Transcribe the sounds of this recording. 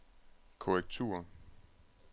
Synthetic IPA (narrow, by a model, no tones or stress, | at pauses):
kʰoʁɛɡ̥̚t͡sʰṵːɐ